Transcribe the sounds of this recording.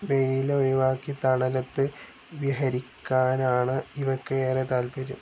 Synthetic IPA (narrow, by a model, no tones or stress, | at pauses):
ʋejileonuʋaːkːit̪ɐɳɐlɐt̪ːɨ | ʋjɐɦɐɾikʲːaːnaːɳɨiʋɐrkːɨeːret̪aːlpɐɾum